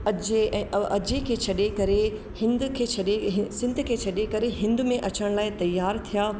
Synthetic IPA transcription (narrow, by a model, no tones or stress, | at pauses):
ɐd͡ʑeɛ̃ːʔɐʔɐd͡ʑekʰeːt͡ɕʰɐɗekɐɾe | hɪ̃nd̪kʰeːt͡ɕʰɐɗeɦɪsɪ̃nd̪kʰeːt͡ɕʰɐɗekɐɾeɦɪ̃nd̪ʊmẽʔɐt͡ɕəɽ̃laːɪt̪ɐjːaːɾt̪ʰijaː